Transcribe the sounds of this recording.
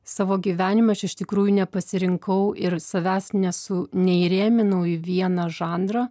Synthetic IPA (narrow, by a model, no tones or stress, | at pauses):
sɑːʋoːɡʲiːʋʲæːnʲɪmɐt͡ʃʲɪʃt̪ʲɪkɾuːjʊnʲɛpɐsʲɪɾʲɪŋkɐʊɪɾsɐʋʲæːsnʲɛsʊnʲɛiɾʲeːmʲɪnɐʊɪʋʲiɛnɐʒɑːnd̪ɾɐ